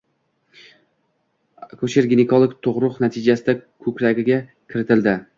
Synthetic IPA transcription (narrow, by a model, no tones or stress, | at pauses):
kʰɵt͡ʃɪɾɡʲɪnɪkʰolˠɪkʲt̪ʰoʁɾʊqnat̪ʰɪd͡ʒasɪd̪akʰɵkʲlaɡʲɪɡʲa | kʲʰɪɾɪt̪ʰɪld̪ɪ